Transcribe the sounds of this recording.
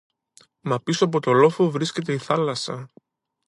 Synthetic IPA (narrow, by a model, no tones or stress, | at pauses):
mɐpisoɐp̬o̞t̪o̞lo̞fovɾisce̞t̪̬e̞iθɐlɐsɐ